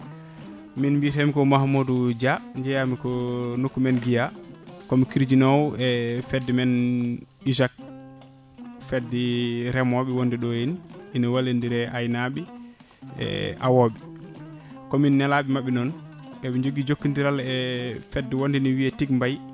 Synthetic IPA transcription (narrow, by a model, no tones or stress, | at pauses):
minmbiɾɛmikɔmahmodud͡ʒaɲd͡ʒɛjamikɔnokːumɛnɡijakɔmikiɾd͡ʒinɔwɛfɛdːimɛn | iʃak̚ | fɛdːiɾɛmɔɓiwondiɗɔjininɔwalːendiɾɛʔajnaɓi | ɛ̰ʔa̰woɓi | kɔminːɛlaɓimaɓːɛnɔn | ɓɛmiɲd͡ʒoɡid͡ʒokːindiɾalɛfɛdːiwondiniwiɛtik̚mbaj